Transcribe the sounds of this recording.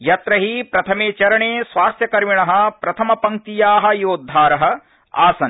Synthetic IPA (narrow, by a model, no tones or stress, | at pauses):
jɐt̪ɾɐɦipɾɐt̪ʰɐmeːt͡ʃɐɾɐɳeːsʋaːst̪jɐkɐɾmiɳɐɦɐ̆pɾɐt̪ʰɐmɐpɐŋk̚t̪ijaːɦɐ̆joːd̪ʱːaːɾɐɦɐ̆ | a̰ːsɐn